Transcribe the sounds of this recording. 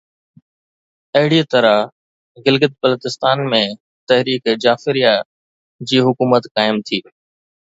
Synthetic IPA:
ɐɦɪɽit̪ɐɾa | ɡɪlɡət̪̚bələt̪ɪst̪aːnmẽ | t̪ɐɦɾiːkd͡ʑaːfɪɾija | d͡ʑiːɦʊkuːmət̪kaːɪmt̪ʰiː

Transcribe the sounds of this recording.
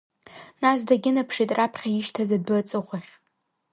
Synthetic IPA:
nas̬daɡʲɪnapʰʂitʼrapʰχʲaɪʃtʰazad̚bɨt͡sʼɨχʷaχʲ

